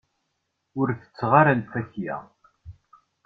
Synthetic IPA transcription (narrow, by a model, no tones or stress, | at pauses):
ʊɾθə̥t͡sːʁaɾalfæçjæ̰